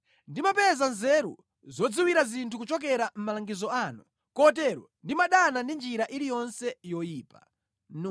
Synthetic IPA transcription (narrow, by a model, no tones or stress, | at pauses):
ndimapɛzanzɛɾṵ | zɔd͡ziwiɾazintʰukut͡ʃɔk̬ɛɾam̩malaŋɡizɔanɔ | kɔtɛɾɔ | ndimaɗanandind͡ʒiɾaʔilijɔnsɛjɔjiːpḁ | n